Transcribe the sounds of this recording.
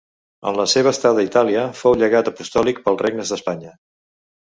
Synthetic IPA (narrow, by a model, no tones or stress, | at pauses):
ə̰nləseβ̞əːst̪aðəit̪aliəfowʎəɣat̪əpust̪ɔlik̚pəlˠzreɡ̚nəzðəspaɲə